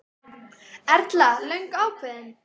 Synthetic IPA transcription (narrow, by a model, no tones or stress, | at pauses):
ɛɾt̪lalœjŋkaːwpʰvɪðɪn